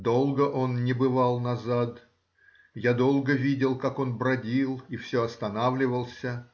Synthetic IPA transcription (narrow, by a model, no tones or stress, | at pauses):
d̪o̞lˠɡəʔo̞nnʲɪbɨvalˠnɐzat̪ | jad̪o̞lˠɡəvʲidʲɪlˠkako̞nbɾɐdʲilˠifsʲɵɐst̪ɐnavlʲɪvəlˠsʲə